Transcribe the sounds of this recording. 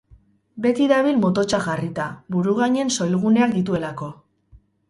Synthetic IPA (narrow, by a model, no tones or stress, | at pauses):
be̞t̪iðaβ̞ilmo̞t̪o̞t͡ʃaʝarit̪aβuɾuɣ̞aɲe̞nso̞jlɣ̞une̞ak̚d̪it̪̬ue̞lako̞